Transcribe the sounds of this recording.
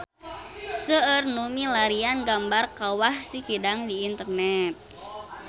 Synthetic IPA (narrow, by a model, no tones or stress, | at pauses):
səərnumilaɾianɡambarkawahsikidaŋdiːnt̪ərnɛt̪̚